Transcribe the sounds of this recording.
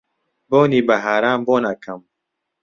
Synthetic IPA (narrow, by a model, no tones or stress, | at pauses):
boːniːbaɦaːɾaːmboːnakʰɐm